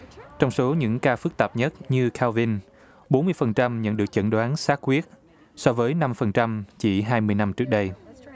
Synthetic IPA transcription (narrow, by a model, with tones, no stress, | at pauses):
t͡ɕɔ˧wŋ͡mso˨˦ɲɨ̰˧˥ŋkaː˧fɨ˦˥k̚t̪a˨˩p̚ɲə˦˥t̚ɲɨ˧kʰaː˧wvi˧n | ɓo˨˦nmɨ˧əjfə˨˩nt͡ɕa˧mɲə̰˧˥nɗɨ˨˩ək̚t͡ɕə̰˧˩nɗwaː˨˦nsaː˦˥t̚kwi˦˥ət̚ | sɔ˧vəː˨˦jna˧mfə˨˩nt͡ɕa˧mt͡ɕi˧˩ɦaː˧jmɨ˧əjna˧mt͡ɕɨ˦˥ək̚ɗə˧j